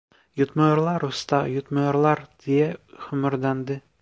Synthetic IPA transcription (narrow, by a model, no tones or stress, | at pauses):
jut̪mɑjŏɾlˠɑɾust̪ɑjut̪mɑjɑ̆ɾlˠɑɾt̪ʰijæχɵ̆mɵ̆ɾd̪ænd̪ɘ